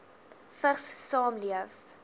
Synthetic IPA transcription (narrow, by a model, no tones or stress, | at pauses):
fəχssɑːmliəf